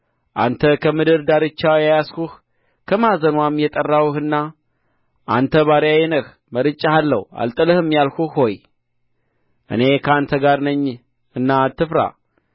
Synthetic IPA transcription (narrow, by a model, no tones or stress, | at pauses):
ʔa̰nt̪ʰəkʰəmɨd̪ɨɾd̪aɾɨt͡ʃːajajaskuh | kʰəmazənwamjɛt̪ʼərːawhɨnːa | ʔa̰nt̪ʰəβaɾjajɛnəx | məɾɨt͡ʃʼːaalːə̰wa̰lt̪ʼɨlɨhɨmjalxuxho̞j | ʔɨ̰ne̞kʰəant̪ʰəɡaɾnəɲː | ɨnːat̪ːɨfɾa̰